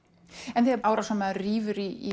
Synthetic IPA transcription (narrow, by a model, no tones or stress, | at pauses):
ɛnθɛɛaːwɾasɛmːɛðriːvʏɾii